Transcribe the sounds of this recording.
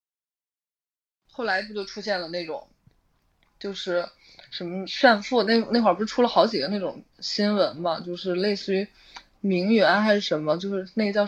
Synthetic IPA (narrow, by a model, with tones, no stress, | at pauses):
xo˥˩ʊla˧˥ɪt͡ɕjo˥˧t͡ɕjo˥˧ʊʈ͡ʂʰu˥ɕjɛ˥˩nlə˩ne˥˩ʈ͡ʂʊ̰˨˩˦ŋ | t͡ɕjo˥˧ʊʂɻ̩˥˩ | ʂə˧˥mə˧˦ɕa˥˧nfu˥˩na˥˩n˥˩kwa˞˥˩pɻ̩˥˩ʈ͡ʂʰu˥lə˨˩xɑ˧˥ʊt͡ɕi˨˩ə˦ne˥˩ʈ͡ʂʊ̰˨˩ŋ | ɕi˥nwə˧˥nmɐ˧t͡ɕjo˥˧ʊʂɻ̩˥˧le˥˧ɪsɹ̩˥˩y˧˥ | mi˧˥ŋɥɛ˧˥nxa˧˥ɪʂɻ̩˥˩ʂə˧˥nmə˧t͡ɕjo˥˧ʊʂɻ̩˥˧ne˥˩ɡə˧t͡ɕjɑ˥˧ʊ